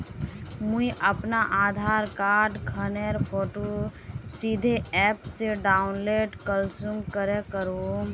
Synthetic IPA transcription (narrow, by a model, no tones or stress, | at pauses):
muiʔəpnaʔaːd̪ʱaːɾkaːɾɖkʰəneɾpʰoːʈosid̪ʱeɛːpseɖaːʊnleːɖkəlsumkəɾekəɾũ